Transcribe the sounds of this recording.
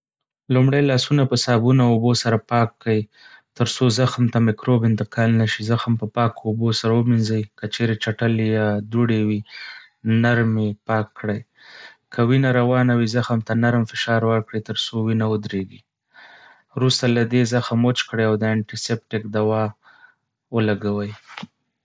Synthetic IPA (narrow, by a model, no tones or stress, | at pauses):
lumɽajlɑsunapəsɑbunaobosaɾapɑkːai | t̪əɾsozaxmt̪amɪkɾobɪnt̪ɪqɑlnaʃizaxmpəpɑkobosaɾawəminzajkət͡ʃeɾet͡ʃaʈəljɑd̪uɽewi | naɾmepɑkːɽəj | kʰəwinaɾawɑnawizaxmt̪anaɾmfɪʃɑɾwəɾkɽit̪əɾsowinawʊd̪ɾeɡi | ɾust̪alad̪ezəxamot͡ʃkɽəjawd̪əaɳʈisep̚ʈɪkd̪awɑ | wəlaɡawəj